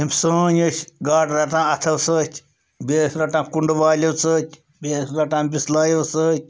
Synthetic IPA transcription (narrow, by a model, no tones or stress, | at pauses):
imʲsə̃ːnət͡ʃʲɡaːʈɾɐʈãːɐt̪ʰɐwsəːtʲʰ | bʲeːsɾɐʈãːkuɳɖʋaːlʲowt͡səːtʲʰ | beːsɾɐʈãːbislaːjowsəːt̚ʲ